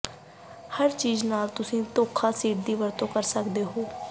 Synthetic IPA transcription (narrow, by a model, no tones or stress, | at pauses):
həɾt͡ʃiːznaːlt̪ʊsĩːt̪oːkʰaːsiːʈ̚d̪iːʋəɾt̪õːkəɾsəkd̪eːɦoː